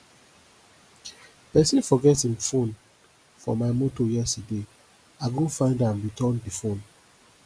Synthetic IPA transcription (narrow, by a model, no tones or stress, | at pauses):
pɛsĩnfɔɡɛtĩmfõn | fɔ̰maɪmotojɛstəde | aɪɡõfãɪ̃ndãmɹitɔ̃ndifõn